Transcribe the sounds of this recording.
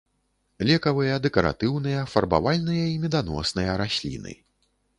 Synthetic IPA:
lʲɛkɐvɨjɐd̪ɛkɐɾa̰t̪ɨwnɨjɐfɐrba̰valʲnɨjɐimʲɛd̪anɔ̰snɨjɐɾasʲlʲḭnɨ̰

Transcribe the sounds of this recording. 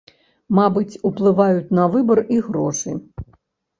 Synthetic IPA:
mabɨt͡sʲuplˠɨvajut͡sʲnɐvɨbɐriɣɾɔʂɨ

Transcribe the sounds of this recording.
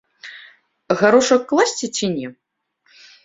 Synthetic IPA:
ɣaɾɔʂɐkːlˠasʲt͡sʲit͡sʲinʲɛ

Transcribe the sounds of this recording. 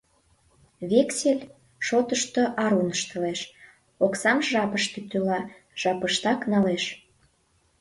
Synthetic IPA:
βekselʲ | ʃot̪əʃt̪ŏʔɑɾunəʃt̪ə̆leʃ | oksɑmʒɑpəʃt̪yt̪ylɑ | ʒ̥ɑpəʃt̪ɑknɑleʃ

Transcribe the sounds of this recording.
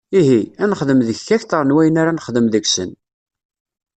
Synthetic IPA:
iɦiænəχðəmðəçːæçt̪ˤəɾˤnwæjənaɾanəχðəmðəksə̰n

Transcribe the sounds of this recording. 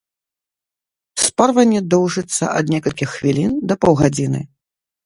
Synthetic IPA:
sparvɐnʲːɛd̪ɔwʐɨt̪sːɐ̰ʔɐd̪nʲɛkɐlʲkʲixːvʲilʲind̪ɐpɔwɣad͡zʲinɨ̰

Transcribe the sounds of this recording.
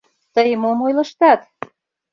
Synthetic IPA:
t̪əjəmomojlə̆ʃt̪ɑt̪

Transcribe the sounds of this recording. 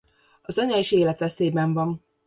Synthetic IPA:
ɒzɒɲɒiʃeːlɛt̪ʋɛseːbɛɱvɒn

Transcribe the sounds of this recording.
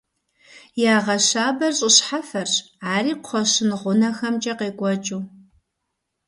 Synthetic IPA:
jaːʁɐɕaːbɐrɕʼɪɕħafɐr | ʕaːriːqʷʊ̥χʷɔɕɪnʁʷʊnɐxɐmt͡ʃʼɐqeːɡʷʼɔt͡ʃʼuː

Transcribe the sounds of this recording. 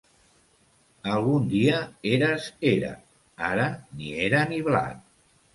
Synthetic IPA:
alˠɣund̪iəeɾazeɾa̰ | aɾənḭeɾəniβla̰n

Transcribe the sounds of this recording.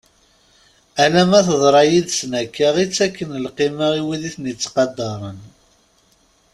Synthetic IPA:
ælæmæθəðˤɾˤɑjiðsnækːaʁit͡sːækːənəlqiməiwiðiθnət͡sːqɑd̪ːɑɾˤən

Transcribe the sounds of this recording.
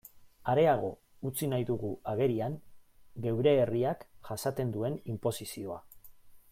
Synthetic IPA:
aɾe̞aɣ̞o̞ | ut͡sinajðuɣuaɣe̞ɾiaŋɡe̞wɾe̞ːriakʝasat̪e̞nd̪ue̞nimpo̞sisio̞a

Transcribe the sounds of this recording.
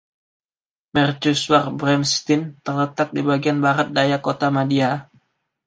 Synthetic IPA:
mɛrd͡ʒuswarbɾɛmst̪ɪnt̪ərlət̪ak̚dibaɡianbaɾat̪̚dajakot̪amadia

